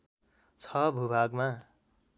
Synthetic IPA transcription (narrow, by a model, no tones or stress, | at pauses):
t͡sʰʌbʱubʱaɡma